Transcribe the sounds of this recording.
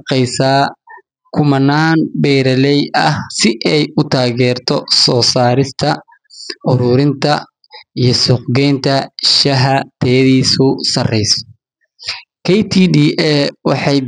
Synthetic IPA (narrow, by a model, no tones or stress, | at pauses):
qɛjsaː | kʰʊmɐnːaːnbɛjɾɐlɛjɐhsɪʔɛjʊt̪ʰaːɣɛːrt̪ʰɔsɔːsaːɾɪst̪ʰɐ | ʔʊɾʊɾɪnt̪ʰɐ | ijɞsʊqɡɛːnt̪ʰɐʃɐɦɐt̪ʰɛjɐðiːsʊsɐrɛjsɔ̥ | kʰɛjt̪ʰiːdiːʔɛwɑħɑj